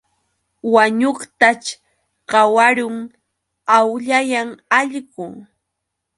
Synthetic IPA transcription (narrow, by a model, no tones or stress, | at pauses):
waɲoχt̪at͡ʃ | ɢɑwaɾʊŋ | awʎajaŋaʎɢʊŋ